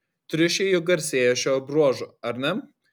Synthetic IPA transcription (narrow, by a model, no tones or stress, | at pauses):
t̪ʲɾʲɪʃʲejʊɡɐɾʲsʲeːjoʃʲoːbɾuɔʒoɐɾʲnʲɛm